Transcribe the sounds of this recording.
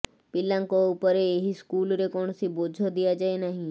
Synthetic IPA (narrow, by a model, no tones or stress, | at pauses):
pɪlãŋkoupəɾeːɦiskulɾekɔɳ̃sibod͡ʒʱod̪ijad͡ʒaenəɦĩ